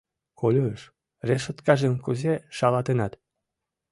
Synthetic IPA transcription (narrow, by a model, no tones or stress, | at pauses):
kolʲoəʃ | reʃot̪kɑʒemkuzeʃɑlɑt̪enɑt̪